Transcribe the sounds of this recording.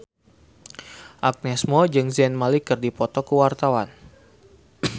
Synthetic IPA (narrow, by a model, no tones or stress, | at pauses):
ʔak̚nɛsmɔd͡ʒɨŋzɛnmalikɨrdipɔt̪ɔkəwart̪awan